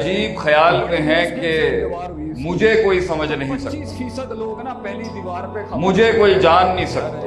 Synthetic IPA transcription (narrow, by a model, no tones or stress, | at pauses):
d͡ʒiːbxɐjaːlmẽɦɛ̃ke | mʊd͡ʒʱekoːisɐməd͡ʒʱnɐɦĩsɐkta | mʊd͡ʒʱekoːid͡ʒaːnːɐɦĩsɐk̚t̪a